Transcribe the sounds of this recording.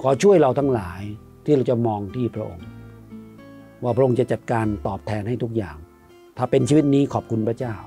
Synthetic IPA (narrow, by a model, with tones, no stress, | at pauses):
kʰɔː˨˦t͡ɕʰu˥˩əjɾa˧wt̪ʰa˦˥ŋlaː˩˦j | t̪ʰiː˥˩ɾa˧wt͡ɕa˨˩mɔː˧ŋt̪ʰiː˥˩pʰɾa˦˥ʔo˧ŋ | waː˥˩pʰɾa˦˥ʔo˧ŋt͡ɕa˨˩t͡ɕa˨˩t̪̚kaː˧nt̪ɔː˨˩p̚t̪ʰɛː˧nha˥˩jt̪ʰu˦˥k̚jaː˨˩ŋ | t̪ʰaː˧˩pe˧nt͡ɕʰiː˧wi˦˥t̪̚niː˦˥kʰɔː˨˩p̚kʰu˧npʰɾa˧˥t͡ɕaː˥˩w